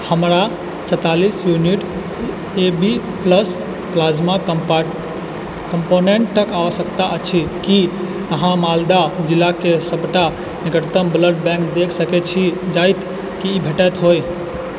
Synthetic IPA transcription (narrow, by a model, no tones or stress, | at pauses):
həmɾa | t͡ʃʰət̪alisjuniʈ | ebi | pləs | klasma | kəmponeɳʈːəkaʋəsəkt̪aʔət͡ʃʰiki | əɦãmald̪ad͡ʒilːakesəbʈa | nikəʈt̪əmbləɖbɛ̃kd̪ekʰsəkɛt͡ʃʰid͡ʒajt̪ʰ | kiːbʱeʈət̪ɦoj